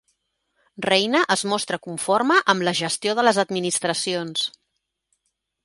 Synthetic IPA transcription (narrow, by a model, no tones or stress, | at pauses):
rɛjnəʔəzmɔst̪ɾəkuɱforməʔəmləʒəst̪ioðələzəd̪minist̪ɾəsions